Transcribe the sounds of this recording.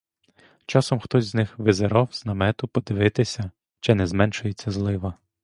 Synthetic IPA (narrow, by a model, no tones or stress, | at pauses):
t͡ʃɑsɔmxt̪ɔzʲznɪxʋɪzeɾɔwz̥nɐmɛt̪ʊpɔd̪ɪʋɪt̪ɪsʲɐ | t͡ʃɪnɛzmɛnʃʊjet͡sʲːɐzlˠɪʋɐ